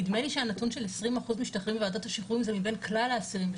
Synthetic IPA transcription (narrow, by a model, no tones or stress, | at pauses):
id̪meliʃeanatunʃe̞lesʁimaχuzmiʃtaχʁimveaːd̪ot̪aʃiχuimzemibe̞nklalaːsiʁim